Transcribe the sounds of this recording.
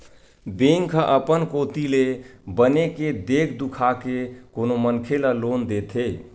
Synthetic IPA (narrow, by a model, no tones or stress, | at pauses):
beŋkʰəʔəpənkot̪ilebəneked̪ekʰd̪ukʰakekonomənkʰeləlond̪et̪ʰe